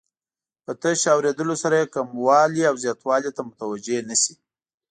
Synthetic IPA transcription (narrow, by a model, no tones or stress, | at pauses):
pət̪əʃɑwɾed̪əlosaɾajekamwɑliawzjɑt̪wɑlet̪amʊt̪awad͡ʒenasi̥